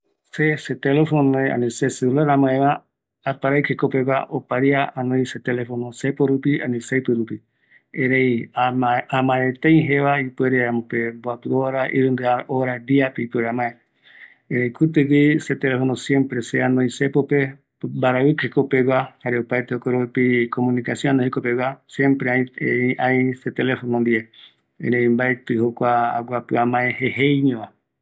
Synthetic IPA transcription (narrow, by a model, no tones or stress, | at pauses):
seset̪elefonoea̰niseseulaɾamaeβa | apaɾajkekopeɡʷa̰opaɾiaanoiset̪elefonosepoɾupianisejpɨɾupi | eɾejaaamaet̪ej̃ɦeβaipweɾeamopebwapioɾaʔḭɾund̪eaɾoɾad̪iapeipeɾeamae | ẽɾejkut̪ɨɡiset̪elefonosjempɾeseanõĩsepope | baɾaβɨkhekopeɡʷahaɾeupajt̪eokoɾoepikomũnikasjõãnohekopewʷasjẽmpɾeaãjset̪elefonõnd̪ie | ḛ̃ɾeĩmbaet̪ɨhokʷaa̰ɡʷapɨamãeheɦejɲõa